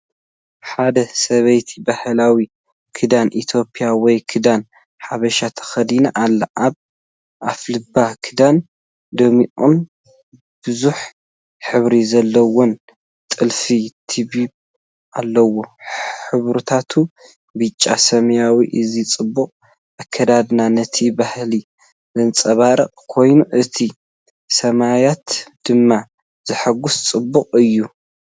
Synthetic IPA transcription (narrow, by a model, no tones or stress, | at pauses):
ħad̪ɐsɐβɐjt̪ʰi̥bahɐlawi | kʰɨd̪anʔit̪ʰjo̞pʼijawɔjkʰɨd̪an | ħaβɐʃat̪ʰɐ̥xɐd̪inaʔalːɐʔaβ | ʔaflɨbːakʰɨd̪an | d̪omiʔun | b̥ɨzuħ | ħɨβɾizɐlːɐwɔn | t̪ʼɨlfit̪ʰibib | ʔalːɐwoħɨβɾut̪ʰat̪ʰu | bɨt͡ʃʼːa̰sɐmɐjawiʔɨzit͡sʼɨbːuqʼ | ʔakʰːɐd̪ad̪nanɐt̪ʰibahli | zɨnt͡sʼɐβaɾɐqʼkʰo̞jnuʔɨt̪ʰi | sɐmajat̪d̪̥ɨmːa | z̥ɨħaɡust͡sʼɨbːuqʼɨjːu